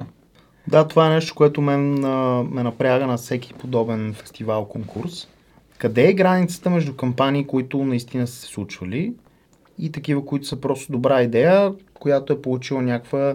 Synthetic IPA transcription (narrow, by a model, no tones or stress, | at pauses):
d̪at̪ovaɛnɛʃt̪o̥koɛt̪omɛnmɛnɐpɾʲaɣənɐfsɛkʲi̥pod̪ɔbɛnfɛ̥st̪ivalˠkoŋkʰuɾs | kɐd̪ɛːɡɾanit̪sə̥t̪əmɛʒd̪ukɐmpaniːkoit̪ʊnɐist̪inəsə̥sɛ̥slˠut͡ʃvɐli | it̪ɐkivəkoit̪o̥səpɾɔst̪od̪obɾaid̪ɛjəkojat̪oɛpolˠut͡ʃilˠənʲakvə